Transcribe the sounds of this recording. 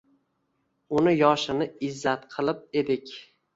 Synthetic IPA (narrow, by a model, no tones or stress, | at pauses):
ʊnɪjɒʃɪnɪɪzːat̪qʰɨlˠɪp̚e̞d̪ɪkʲ